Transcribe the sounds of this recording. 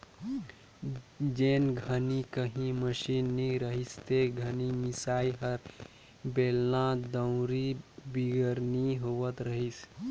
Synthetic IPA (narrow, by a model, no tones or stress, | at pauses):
d͡ʒeːnɡʱənikəɦĩməʃinːiɾəɦist̪eɡʱənimisaːiɦəɾ | belnãd̪əwɾibiɡəɾniɦoʋət̪ɾəɦis